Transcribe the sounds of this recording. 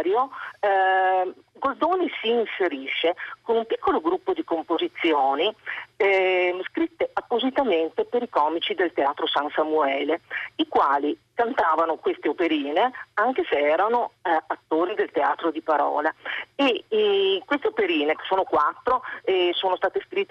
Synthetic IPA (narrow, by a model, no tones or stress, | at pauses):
ɾjo | ɡold̪oːnisiːnseɾiʃːekonumpikːoloɡɾupːod̪ikompozit̪sːjoːni | skɾit̪ːeapːozit̪ament̪epeɾikɔːmit͡ʃid̪elt̪eaːt̪ɾosansamuɛːleikwaːlikant̪aːvanokwest̪eopeɾiːneaŋk̟eseɛːɾanoat̪ːoːɾid̪elt̪ea̰ːt̪ɾod̪ipaɾɔ̰ːlae | kwest̪eopeɾiːnek̟e̥sːoːnokwat̪ːɾoɛsoːnost̪aːt̪eskɾit̪ːe